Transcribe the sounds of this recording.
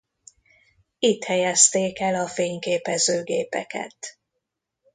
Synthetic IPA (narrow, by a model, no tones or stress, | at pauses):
it̪hɛjɛst̪eːkɛlɒfeːɲkeːpɛzøːɡeːpɛ̰kɛ̰t̪